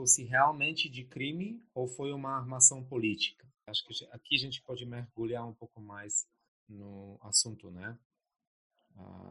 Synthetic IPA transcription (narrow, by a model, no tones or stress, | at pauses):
fosɪɦeawmẽnt͡ʃɪd͡ʒɪkɾĩmɪowfojũmɐaɾmasɐ̃w̃polit͡ʃi̥kɐ | aʃʊ̥kɪakiaʒẽnt͡ʃɪ̥pɔd͡ʒɪmeɾɡuʎaɾũpowkʊmajs | nʊa̰sũnt̪ʊnɛ | a̰